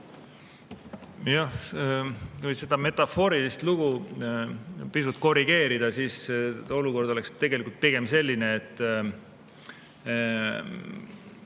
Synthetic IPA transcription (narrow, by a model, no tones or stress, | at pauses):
jɑh | kujse̞d̪̥ɑme̞t̪ˑɑfo̞ːɾilist̪luɡ̥u | pisut̪̚ko̞riɡ̥e̞ːɾid̪̥ɑsiːso̞luko̞rd̪̥o̞lekst̪ːe̞ɡ̥e̞likult̪̚piɡ̥e̞mse̞lʲːineːt̪ːˑ